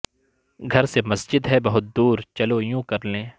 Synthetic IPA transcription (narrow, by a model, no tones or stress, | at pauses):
ɡʱɐɾsemɐsd͡ʒɪd̪ɦɛbɐɦʊt̪̚d̪uːɾt͡ʃɐlojũːkɐɾlẽː